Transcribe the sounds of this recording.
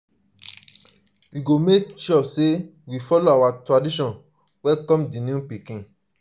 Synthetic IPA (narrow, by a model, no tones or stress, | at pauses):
wiɡomekʃɔsewifɔloawatɹadiʃɔ̃n | wɛkɔ̃mdĩnũpikĩ